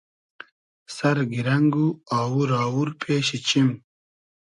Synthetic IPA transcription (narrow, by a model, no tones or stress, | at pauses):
sɐɾɡiɾɐŋɡuaːwuɾaːwuɾpʰeːɕit͡ɕim